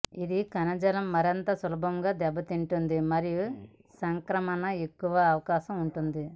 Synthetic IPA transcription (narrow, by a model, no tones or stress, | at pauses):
id̪ikɐnɐd͡ʒɐlɐmːɐɾɐnt̪ɐsɐlɐbʱɐmɡaːd̪ɛbːɐt̪iɳʈund̪imɐɾiju | sɐŋkɾɐmɐnɐe̞kːuʋɐːʋɐkaːʃɐmuɳʈund̪i